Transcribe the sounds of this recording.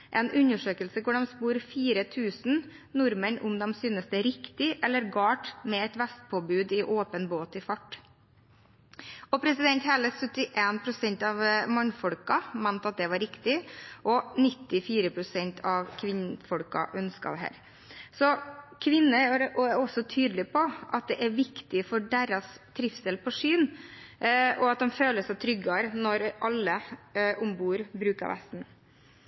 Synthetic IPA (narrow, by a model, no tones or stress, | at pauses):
ʔɛnʔʉɲːəʂøːkəlsəkʊɖɛmspuːɾfiːɾət̪ʰʉːsn̩ | nʊɾməɳʊ̰md̪ɛmsyːnəsd̪ɛɾɪkt̪ɪʔɛlːəɾɡɑːʈmɛɛt̪ʋɛst̪̚pʰoːbʉːd̪ɪʔoːpənboːt̪ɪfɑʈː | ɔpʰɾɛsɪd̪ɛnt̪hɛləsœt̪ːɪʔeːnpʰɾʊsɛɲt̪ɑʋmɑnfɔɽkɑmænt̪ɑt̪̚d̪ɛʋɑɾɪkt̪ɪʔɔnɪt̪ːɪfiːɾəpʰɾʊsɛnt̪ʰɑʋkʰʋɪnfɔɽkɑ̰ʔœnskɑ̰d̪ɛɦæ̰ːɾ | sɔkʰʋɪnːəɾʔɔɛɾɔsːɔt̪ʰyːd̪lɪpʰɔʔɑt̪̚d̪ɛʔæɾʋɪkt̪ɪfɔɖeɾɑst̪ʰːɾɪfsɛlpʰɔʂyːn | ʔɔɑt̪̚d̪ɛmføːləsæɪt̪ʰɾʏɡɑɾnɔɾʔɑlːəʔʊmbuːəɾbɾʉːkəɑ̰ɾʋæ̰st̪n̩